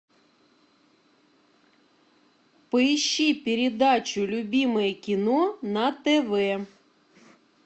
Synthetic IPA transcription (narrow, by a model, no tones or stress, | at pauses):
pɪjʃipʲeɾʲed̪ɑt͡ʃʊlʲʊbʲimejɛkʲinɔnɐt̪eʋɛ